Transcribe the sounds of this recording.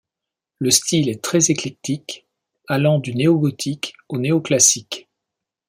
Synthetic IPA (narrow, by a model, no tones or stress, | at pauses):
ləst̪ilɛt̪χɛzeklɛk̚t̪ik | alɑ̃d̪yneɔɡɔt̪ʰik | oneoklasik